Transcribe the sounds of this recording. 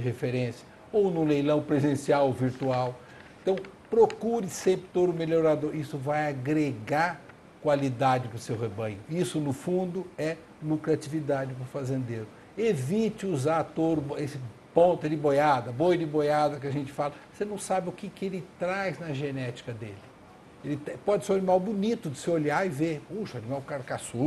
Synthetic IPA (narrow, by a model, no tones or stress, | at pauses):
d͡ʒɪɦefeɾẽsjɐ̥ | ownũlejlɐ̃w̃pɾezẽsiawoviɾt̪uaw | eẽt̪ɐ̃w̃pɾokuɾɪsẽmpɾɪt̪od̪ʊmeloɾad̪oɾisʊvajaɡɾeɡaɾ | kwalid̪ad͡ʒɪpɾʊsewɦebɐ̃ɲ̃ʊisʊnʊfũnd̪ʊɛ | lukɾat͡ʃivid̪ad͡ʒɪpʊɾfazẽnd̪eɾʊ | evit͡ʃɪuzat̪oɾʊesɪpõt̪ʊd͡ʒɪbojad̪ɐbojd͡ʒɪbojad̪ɐk̬ɪaʒẽnt͡ʃɪ̥falɐsenɐ̃w̃sabɪʊkɪkɪelɪt̪ɾajznɐʒenɛt͡ʃi̥kɐd̪ḛlɪ | elɪt̪epɔd͡ʒɪsew̃animawbunit̪ʊd͡ʒɪsɪolaɪvepuʃɐanimawkaɾkasu